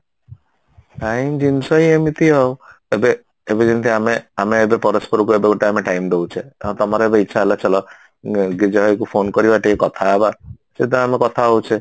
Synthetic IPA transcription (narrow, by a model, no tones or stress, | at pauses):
ʈaimd͡ʒinsɔiemit̪ʰiɔwebe | ebed͡ʒint̪ʰiameameebepɔɾɔspɔɾukuebeɡoʈeameʈajmd̪ewt͡ʃʰẽt̪ɔmaɾeebeitːʃʰaɦelat͡ʃʰɔlɔ | ɡid͡ʒɔɦɔjkupʰonkɔɾibaʈekɔt̪ʰaeba | sed̪ɔamekɔt̪ʰaowt͡ʃʰe